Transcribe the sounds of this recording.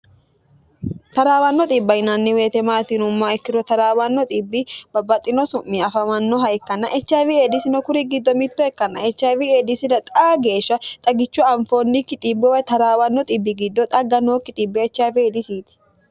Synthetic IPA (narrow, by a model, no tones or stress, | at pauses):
t̪ɐɾaːwɐnːɔt̪ʼiːbːɐɪnɐnːɪwe̞ːt̪ɛmaːt̪inʊmːaɛkːɪɾɔt̪ɐɾaːwɐnːɔt̪ʼibːɪbɐbɐt̪ʼːɪnɔsʊmːiɐfɐmɐnːɔɦɐɛkːɐnɐʔɛt͡ʃːaːvieːd̪ɪsɪnɔkʊɾiɡɪd̪ːɔmɪt̪ːɔɛkːɐnːɐɛt͡ʃːaːvieːd̪ɪsɪdɐt̪ʼaːɡe̞ːʃːɐt̪ʼɐɡɪt͡ʃːʊɐɱfoːnːikːɪt̪ʼiːbːɛwɐjt̪ɐɾaːwɐnːɔt̪ʼibːɪɡɪd̪ːɔt̪ʼɐɡːɐnoːkːɪt̪ʼiːbːɛɛt͡ʃːaːvɪeːd̪ɪsiːt̪ɪ̥